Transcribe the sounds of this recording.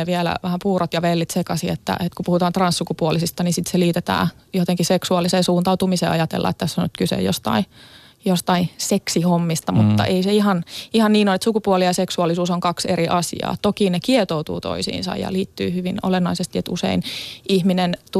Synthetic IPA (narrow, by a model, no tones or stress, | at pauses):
eʋiɛlæ̰ʋæhæmpuːrot̪jɑʋelːit̪sekɑsiet̪ːæ̰ʔet̪kupuhut̪ɑːnt̪rɑnssukupuolisist̪ɑnisit̪seliːt̪et̪æ̰ːjot̪eŋkiseksuɑlːiseːnsuːnt̪ɑut̪umisḛːɑjɑt̪ḛlːɑ̰et̪t̪ːæsːonyt̪kysḛjost̪ɑ̰i | jost̪ɑiseksihomːist̪ɑmut̪ːɑ̰ʔeiseihɑnihɑnniːnonet̪sukupuolijɑseksuɑlisuːsoŋkɑkseriʔɑsḭɑ̰ːt̪okinekiɛt̪out̪ṵːt̪o̰isḭːnsɑ̰jɑ̰liːt̪ːy̰ːhyʋino̰lenːɑisest̪iet̪usḛinihminent̪u